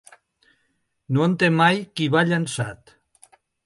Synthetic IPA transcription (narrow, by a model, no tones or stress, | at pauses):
noent̪emajkiβaʎansat̪